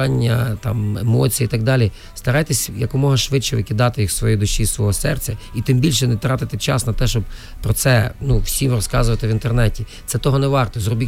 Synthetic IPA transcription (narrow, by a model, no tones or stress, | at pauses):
ɑnʲːɐt̪ɑ̰mḛmɔt͡sʲijiit̪ɐɡ̚d̪ɑlʲi | st̪ɐɾɑjt̪esʲjɐkʊmɔɦɐʃʋɪt͡ʃɛʋɪkʲɪd̪ɑt̪ɪjixsʋɔjijd̪ʊʃʲːisʋɔɦɔsɛrsʲɐit̪ɪmbʲilʲʃɛnɛt̪ɾɑt̪ɪt̪ɪt͡ʃɑsnɐt̪ɛʃt͡ʃɔb̚ | pɾɔt̪sɛnuwsʲiʋɪɾɔskɑzʊʋɐt̪ɪʋint̪ernɛtʲi | t̪sɛt̪ɔɦɔnɛʋɑrt̪ɔzrɔbʲi